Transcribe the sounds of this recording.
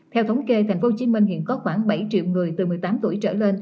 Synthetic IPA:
t̪ʰɛ˧wt̪ʰwŋ͡mke˧t̪ʰa˨˩jŋ̟fo˨˦t͡ɕi˨˦mï˧ŋ̟hḭ˧˨ənkɔ˨˦xwaː˧˩ŋɓə˧˩jt͡ɕḭ˧˨əwŋɨ˨˩əjt̪ɨ˨˩mɨ˨˩əjt̪aː˨˦mt̪u˧˩əjt͡ɕə̰ː˧˩le˧n

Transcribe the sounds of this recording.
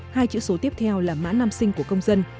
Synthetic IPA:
haː˧jt͡ɕḭ˧˥so˨˦t̪i˦˥əp̚t̪ʰɛ˧wlaː˨˩ma̰ː˧˥naː˧msï˧ŋ̟ku˧˩əkə˧wŋ͡mzə˧n

